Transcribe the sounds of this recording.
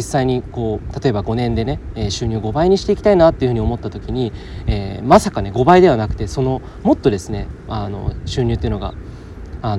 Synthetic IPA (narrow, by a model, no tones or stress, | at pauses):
isːaiɲ̟iko̞ːt̪at̪o̞e̞baɡo̞nẽ̞nd̪e̞ne̞eɕɨːɲ̟ʲɨːɡo̞baiɲ̟iɕi̥t̪e̞ikʲi̥t̪ainat̪ːe̞iɯ̟ɯ̟io̞mo̞t̪ːat̪o̞kʲiɲ̟ieːmasakane̞ɡo̞baid̪e̞β̞anakɯ̟t̪e̞so̞no̞ | mo̞t̪ːo̞d̪e̞sɨne̞̰ano̞̰ɕɨːɲʲɨt̪ːeiɯ̟noɡa̰ | a